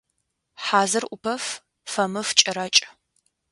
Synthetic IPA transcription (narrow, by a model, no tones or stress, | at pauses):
ħaːzɨrʔʷʊpʰɐf | fɐmɨft͡ʃʼɐɾɐt͡ʃʼ